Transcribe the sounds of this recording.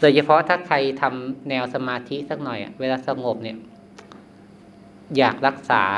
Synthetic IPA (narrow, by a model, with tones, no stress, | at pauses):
doː˧jt͡ɕʰa˧pʰɔ˦˥t̪ʰaː˥˩t̪ʰa˧jt̪ʰa˧mnɛː˧wsa˧maː˧t̪ʰi˦˥sa˦˥˩k̚nɔ˨˩jʔa̰˨˩weː˧laː˧sa˧ŋo˨˩p̚ni˧˩ə | jaː˨˩k̚ɾa˦˥k̚saː˩˦